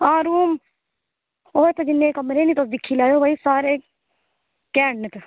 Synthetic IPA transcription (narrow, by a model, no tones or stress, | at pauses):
aːɾuːm | oːt̪ɐd͡ʒɪnːekɐmɾenit̪osd̪ɪkʰːilaːjobʱaisaːɾeː | kɛːɳːət̪